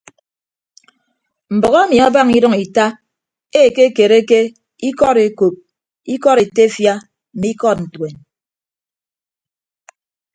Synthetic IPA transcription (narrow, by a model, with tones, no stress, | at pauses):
m̩˨bɔ˨ɣa˦mi˨a˦ba˦˨ŋi˦ɾɔ˦ŋi˨ta˦ | e˦˨ke˦ke˨ɾe˦ke˦ | i˦kɔ˦ɾe˨ko˨p̚ | i˦kɔ˦ɾe˨te˦fja˦ | m̩˨mi˦kɔ˦t̚n̩˨twe˨n